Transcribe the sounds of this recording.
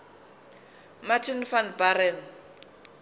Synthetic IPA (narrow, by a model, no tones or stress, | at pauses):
matʰinfanbaɾɛn